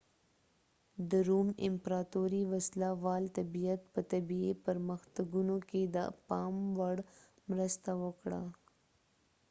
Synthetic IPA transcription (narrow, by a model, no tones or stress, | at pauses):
d̪əɾumɪmpɾɑt̪oɾiwaslawɑlt̪abijat̪̚pət̪abiepəɾməxt̪aɡunoked̪əpɑmwaɽ | mɾəst̪awəkɽa̰